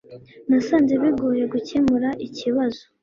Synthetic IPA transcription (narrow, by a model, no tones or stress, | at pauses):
nasaːnzeβiɡoːje̞ɡucemuɾaʔiciβazo̥